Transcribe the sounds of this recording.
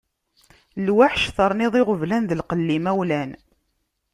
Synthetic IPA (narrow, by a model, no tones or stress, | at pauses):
lwaħʃθəɾˤnɪðˤɪʁəvlænðəlqəlːimæwlæn